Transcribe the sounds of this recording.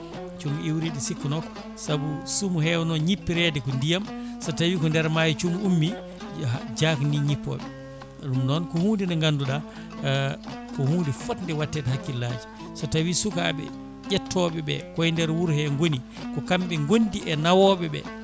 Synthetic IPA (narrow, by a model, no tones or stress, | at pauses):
t͡ʃumiwɾiɗisikːɔnɔkɔ̥ | sabusumuhɛwnɔɲipːiɾɛdɛkɔndijamsɔtawikɔndɛɾmaːjit͡ʃumumːi | d͡ʒakniɲipːɔ̰ɓɛ | ɗumnɔnkɔhuːndinɛŋɡanduɗa | kɔhuːndifɔtndɛwatːɛtɛhakːilːad͡ʒi | sɔtawisuka̰ɓɛ̰ | ɟɛtʰːɔɓɛbɛ̰kɔjndɛɾwuɾhɛŋɡoni | kɔkamɓɛŋɡondiɛnawɔːɓɛbɛ̰